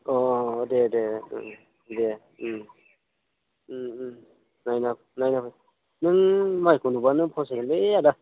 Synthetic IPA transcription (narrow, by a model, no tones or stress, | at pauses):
ɔdedeɯ̰ | de | ɯm | najnap | najnapʰɯj | nɯŋmajkunubanɯŋpʰɔs̬elɯada